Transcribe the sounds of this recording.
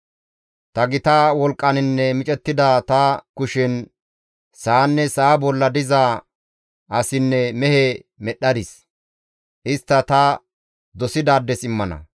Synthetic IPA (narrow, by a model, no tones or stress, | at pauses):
t̪ɐɡɪt̪aːwɔlkʼːɐnɪnːɛmɪt͡ʃʼɛt̪ːɪd̪aːt̪ɐkʊʃɛn | saːnːɛsaːbɔlːɐd̪ɪza | ɐsɪnːɛmɛhɛ | mɛɗːɐd̪ɪs | ʔɪst̪ːɐt̪ɐ | d̪ɔsɪd̪aːd̪ːɛsɪmːɐnɐ̰